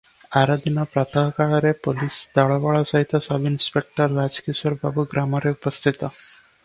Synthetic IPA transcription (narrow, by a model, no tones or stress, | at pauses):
aɾad̪inɔpɾat̪ʰaɦkaɭɔɾepolisd̪aɭɔʋaɭɔsaɦit̪ɔsabinspek̚ʈəɾːad͡ʒkisɔɾbʱabuɡɾamɔɾeupəst̪ʰit̪ɔ